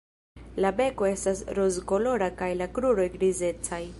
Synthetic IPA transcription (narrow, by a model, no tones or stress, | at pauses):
labe̞ko̞e̞stasɾozɡo̞lo̞ɾakajlakɾuɾo̞jɡɾize̞t͡saj